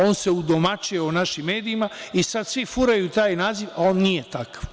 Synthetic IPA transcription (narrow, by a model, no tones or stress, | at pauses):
o̞ːnseud̪omat͡ʃijeonaʃimːe̞ːd̪iimaisad̪sʋifuɾajut̪aːjnaːziʋao̞ːnnijet̪akaʋ